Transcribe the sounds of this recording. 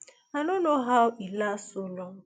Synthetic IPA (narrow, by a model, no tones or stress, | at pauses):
anonoɦaʊʔilasolɔ